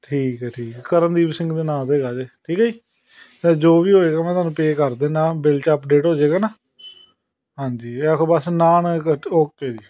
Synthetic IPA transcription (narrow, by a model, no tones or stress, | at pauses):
ʈʰiːkɛʈʰiːkkəɾənd̪iːbsɪ̃ŋɡd̪eːnãːt̪eːɡaːd͡ʒeːʈʰiːkad͡ʒiː | t̪ɛːd͡ʒoːʋiːɦoːeːɡaːmɛ̃ːt̪aːnũːpeːkəɾd̪eːnãːbɪlt͡ʃːəpɖeːʈɦoːd͡ʒeːɡaːnaː | ɦãːɲd͡ʒiːɛkʰobəsnaːnoːk̚t͡ʃeːd͡ʒiː